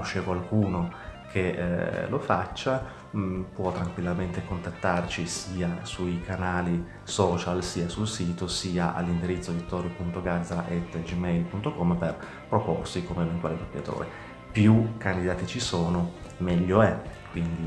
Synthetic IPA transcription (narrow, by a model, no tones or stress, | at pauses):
ʃːekwalkuːnokʰḛlofat͡ʃːa | pwɔt̪ːɾaŋkwilːament̪ekont̪at̪ːart͡ʃisiːasujkanaːli | sɔːt͡ʃalsiːasulsiːt̪osiːaʔa̰lːind̪iɾit̪sːod̪it̪ɔɾipunt̪oɡad̪zɾaʔet̪ːd͡ʒimɛjlpunt̪okɔmːper | pɾopo̰rsikomevent̪waːled̪opjat̪o̰ːɾḛ | pjukand̪id̪aːt̪it͡ʃisoːnomɛʎːoɛkwind̪i